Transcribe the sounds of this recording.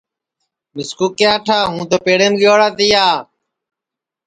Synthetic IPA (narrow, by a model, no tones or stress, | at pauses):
mɪskuːkjaːʈʰaːɦũːt̪oːpeːɽeːmɠjoːɽaːt̪ijaː